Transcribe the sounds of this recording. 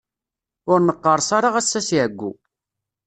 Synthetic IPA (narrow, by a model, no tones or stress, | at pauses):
ʊɾnəqːəɾˤsaɾaʁæsːæsjəɡʷːṵ